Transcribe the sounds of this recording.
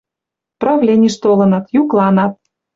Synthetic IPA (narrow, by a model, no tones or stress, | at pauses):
prɑvlʲenʲiʃt̪olɤ̆nɑt̪juklˠɑnɑt̪̚